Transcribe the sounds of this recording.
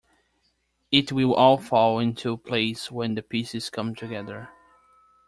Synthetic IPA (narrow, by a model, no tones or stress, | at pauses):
ɪt̚wɪlˠɔlˠfɔlˠoɪ̃ntʰuəpʰl̥eɪswə̃nðɨpʰisɨz̥kʰʌ̃mtʰɨɡɛðə˞